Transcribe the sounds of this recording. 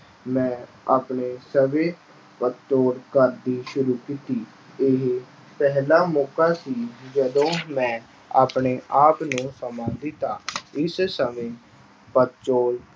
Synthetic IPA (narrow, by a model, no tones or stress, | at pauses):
mɛ̃ː | aːpɳeːsəʋeː | pət̪t͡ʃoːlkəɾd̪iːʃʊɾuːkiːt̪iː | ɪɦ | pɛɦlaːmɔːkaːsiːd͡ʒəd̪õːmɛ̃ː | a̰ːpɳeːʔaːpnũːsəmãːd̪iːt̪aːɪssəmẽː | pət̪t͡ʃoːl